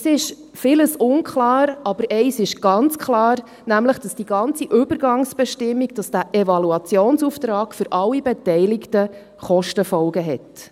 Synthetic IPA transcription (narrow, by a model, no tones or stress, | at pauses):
əsɪʃ | fɪləsʊnkχlɑːɾɑb̥əɾʔɛɪsɪʃɡ̥ɑnt͡skʰlɑːɾ | næmləχd̥ɑsd̥iɡɑnt͡siʔʏb̥əɾɡɑŋsb̥ɛʃtɪmːiɡd̥ɑsd̥æːʔɛvɑluɑt͡sjoːnsuftɾɑːɡ̥fʏɾʔɑlːibɛtɛɪlɪktə | χɔʃtəfɔlɡəɦɛt